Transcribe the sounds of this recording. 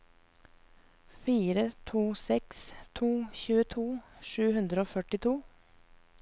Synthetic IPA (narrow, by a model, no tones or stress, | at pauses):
fiːɾət̪ʰuːsɛkst̪ʰuːçʉːət̪ʰuːʃʉːhʉnd̪ɾəoːfœʈɪt̪ʰuː